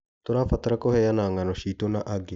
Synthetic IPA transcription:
t̪oɾafat̪aɾakɔhɛjanaŋanɔʃitonaʔaɡe

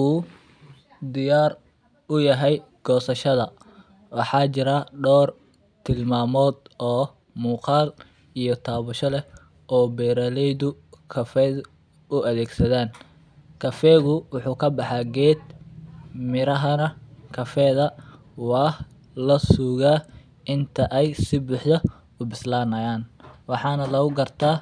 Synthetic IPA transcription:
uː | d̪ɪjaːr | ʊjɐɦɛj | ɡ̥ɔːsɐʃɐðɐ | wɑħɑːt͡ʃɪɾɐɖɔːr | t̪ʰɪlmaːmɔːd̪ɔː | muːqɑːl | ijɞt̪ʰaːβʊʃɔlɛ | ʔɔːbɛːɾɐlɛjðʊ | kʰɐfɛːð | ʊɐðɛːɡsɐðaːn | kʰɐfɛːɣʊwʊħuːkʰɐbɑħɑɡɛːd̪ | mɪɾɐɦɐnɐkʰɐfɛːðɐ | wɑːh | lɐsuːɣaː | ʔɪnt̪ʰɐʔɛjsɪbuːħd̪ɐ | ʊbɪslaːnɐjaːnwɑħɑːnɐlɐɣʊɡɐrt̪ʰaː

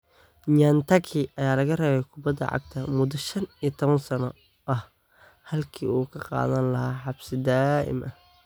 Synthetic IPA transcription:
ɲant̪ʰɐkʰiʔɐjaːlɐɣɐrɛːβɛjkʰʊbɐd̪ɐ̰ʕɑ̰ɡ̚t̪ʰɐmʊd̪ɐʃɐnijɐt̪ʰɔβɐnsɐnɔ | ʔɐh | hɐlkʰḭːuːkʰɐqɑ̰ːðɐnlɐɦaːħɑbsɪd̪aːʔɪ̰mʔɐh

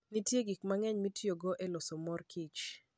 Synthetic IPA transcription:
nitjeɡikmaŋɛɲmitjoɡɔʔɛlɔsɔmɔrkʰit͡ʃ

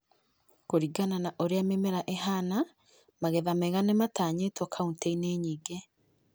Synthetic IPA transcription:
koɾiɡananaʔoɾeamemeɾaʔeɦana | maɣeðamɛɣanemataːɲetwɔkʰaunteineːɲiːɡe

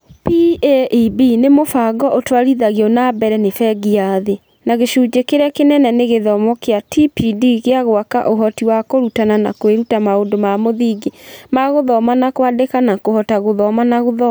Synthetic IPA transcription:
pieʔibinemofaɡɔʔotwaɾiðaɣiɔnabɛɾɛnefɛɡiaðe | naɣeʃuːd͡ʑekeɾeakenɛnɛneɣeðɔmɔkeatipidiɣeaɣwaka̰ʔoɦɔtiwakoɾutanana̰kweɾutamaondomamoðiɡemaɣoðɔmanakwadekanakohɔtaɣoðɔmanaɣoðɔ

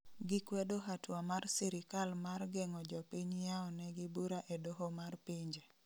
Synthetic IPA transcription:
ɡɪkwedoɦatwamarsiɾɪkalmarɡɛŋɔd͡ʒɔpiɲjaɔnɛɡɪbuɾaʔedoɦomarpiɲd͡ʒe

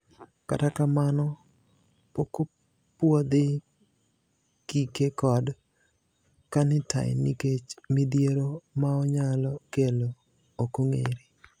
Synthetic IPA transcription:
ka̰takamanɔ | poko | pwod̪ɪ | kikekɔd | kanɪta̰jnḭket͡ʃmɪd̪jeɾomaɔɲalɔkelo | okoŋḛɾi

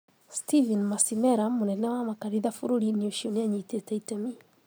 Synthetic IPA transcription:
stivɛnmasimɛɾamunɛnɛwamakaɾiðafuɾuɾiniɔʃoniaɲitɛtaitami

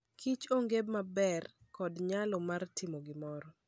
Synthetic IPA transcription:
kʰit͡ʃoŋɡebmabɛr | kɔdɲalɔmartʰɪmoɡɪmɔɾɔ

